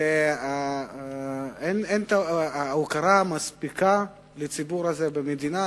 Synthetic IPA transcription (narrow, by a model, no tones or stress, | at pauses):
ea | enent̪aukaɾamaspika | let͡sibuɾazebemed̪ina